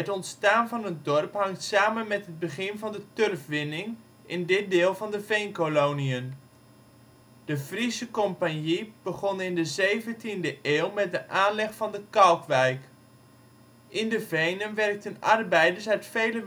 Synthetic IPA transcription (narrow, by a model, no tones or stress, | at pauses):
ətɔntstaːnvɑnətdɔrpɦɑŋtsaːmənmɛtɦəd̚bəχɪnvɑndətørfʋɪnɪŋ | ʔɪndɪt̚dɪːlˠvɑndəvejnkolowniən | d̥əvrisəkɔmpanjib̥əχɔnɪndəzejvəntindəʔeːlˠmɛt̚dəʔaːnlɛχfɑndəkɑlˠkʋɛjk | ʔɪndəvejnənʋɛrk̚tənɑ̰rbɛjdəɹsœɥtfejlə